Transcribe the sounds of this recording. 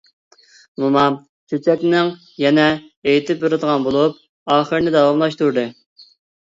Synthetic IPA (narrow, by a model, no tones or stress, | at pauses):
mumɑ | t͡ʃʰøt͡ʃʰɛkʲnɪŋ | jɛnɛejt̪ʰɪpjuɾɨd̪əʁɑnbolˠup̚ | ɑːχəɾnɪd̪ɑwɑmlˠɑʃt̪uɾd̪ɨ